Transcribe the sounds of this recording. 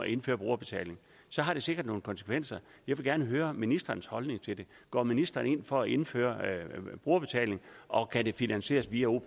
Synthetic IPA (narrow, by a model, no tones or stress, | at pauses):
ʔe̝nfø̰ːɐb̥ʁuːɐb̥e̝t͡sʰɛ̰le̝ŋ | sɒ̽ɦɑ̈ɾ̥e̝se̝ɡ̥ɐd̥no̝ːn̩kʰɒ̽nsə̥kʰʋen̰sɐ | jɑ̈ɪʋe̝ɡ̥æɐnəɦøːɐminisd̥ɐnshɒ̽lne̝ŋt͡sʰe̝ld̥e̝ | ɡ̥ɒ̰ːminisd̥ɐne̝n̰fɒ̽æʔe̝nfø̰ːɐb̥ʁuːɐb̥e̝t͡sʰɛ̰ːle̝ŋʔɒ̽kʰæde̝finænse̝̰ːɐsʋiæo̝